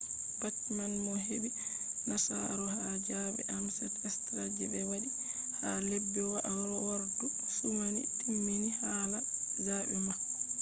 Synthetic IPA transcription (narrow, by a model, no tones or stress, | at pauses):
batmanmɔɦebi | nasa̰ɾɔhad͡ʒabɛ̰ʔamsɛtɛstɾad͡ʒibɛwaɗi | halɛbːɛwaʔaɾɔwaɾdu | fumanḭtʰimːinihaːlazaːbɛma